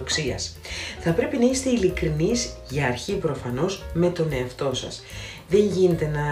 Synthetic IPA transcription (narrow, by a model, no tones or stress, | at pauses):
ksiɐ̰s | θɐpɾe̞pinɐist̪e̞ilikɾinizʝɐːɾçipɾo̞fɐno̞zme̞t̪o̞ne̞ɐft̪o̞sɐ̰s | ðe̞ɲʝine̞t̪e̞nɐ